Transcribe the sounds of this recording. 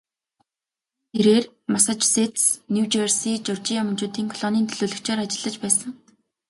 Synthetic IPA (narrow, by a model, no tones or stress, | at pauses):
eɾeːr | masat͡ɕset̪snuwt͡ɕersiːt͡ɕʊrt͡ɕijamʊnt͡ɕʊːt̪iːŋkʰɔɮɔniːnt̪ʰɵɮuːɮɵ̆kt͡ɕaːɾat͡ɕɪ̆ɮə̆t͡ɕpæːsə̆ŋ